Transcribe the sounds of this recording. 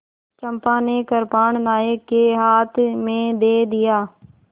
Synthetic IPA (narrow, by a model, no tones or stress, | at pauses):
t͡ʃəmpãːneːkəɾpaːɳ̃naːekeːɦaːt̪ʰmẽd̪eːd̪ɪjaː